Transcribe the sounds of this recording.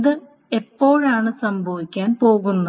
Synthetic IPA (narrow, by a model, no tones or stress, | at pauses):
ðɨ | e̞pːo̞ːɻaːɳɨsɐmbʱɐʋikʲːaːnpo̞ːɣunːɐ